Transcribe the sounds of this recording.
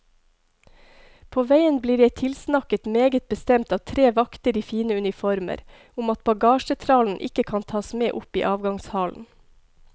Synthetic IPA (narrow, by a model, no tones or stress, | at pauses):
pʰoːʋæɪənbliːɾjæɪt̪ʰɪlsnɑkət̪meːɡət̪̚bəst̪ɛmt̪ɑːʋt̪ʰɾeːʋɑkt̪əɾiːfiːnəʉnɪfɔɾmə̰ɾ | ʊmɑt̪̚bɑɡɑːʃət̪ʰɾɑːln̩ʔɪ̰kəkʰɑːnt̪ʰɑːsmeːʔʊpḭːʔɑːʋɡɑŋshɑːln̩